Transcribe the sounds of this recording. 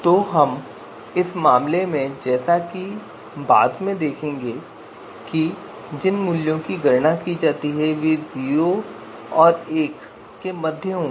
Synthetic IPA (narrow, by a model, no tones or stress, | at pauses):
t̪oːɦɐm | ɪsmaːmlemẽd͡ʒɛːsaki | baːd̪mẽd̪eːkʰẽːŋɡe | ki | d͡ʒɪnmʊljõkiɡɐɾnakid͡ʒaːt̪iɦɛʋeziːo | ɔːɾeːkː | emɐd̪ʱjəɦõː